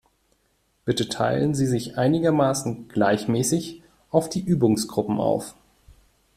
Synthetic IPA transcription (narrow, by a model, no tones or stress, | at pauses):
b̥ɪtətʰa̰ɪlənziːzɪçʔaɪnɪɡɐmaːsn̩ɡ̥laɪçmɛːsɪç | ʔaʊfd̥iːʔyːbʊŋsɡ̥ʁʊpm̩a̰ʊf